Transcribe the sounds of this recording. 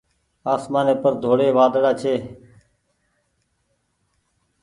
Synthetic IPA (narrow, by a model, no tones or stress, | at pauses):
aːsmaːneːpəɾd̪ʱoːɽeːʋaːd̪ɽaːt͡ʃʰeː